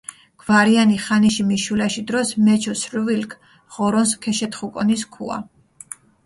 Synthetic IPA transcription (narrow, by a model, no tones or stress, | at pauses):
ɡ̥vaɾianiχaniʃimiʃulaʃid̪ɾɔsmɛt͡ʃʰɔsɾvilkʰ | ʁ̥ɔɾɔnskʰɛʃɛt̪χukʼɔniskʰṵa̰